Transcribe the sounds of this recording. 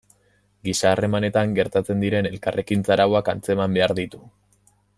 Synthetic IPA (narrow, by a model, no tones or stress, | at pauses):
ɡisaːre̞mane̞t̪aŋɡe̞ɾt̪at͡se̞nd̪iɾe̞ne̞lkare̞kint͡saɾaoakant͡se̞mambe̞aɾðit̪u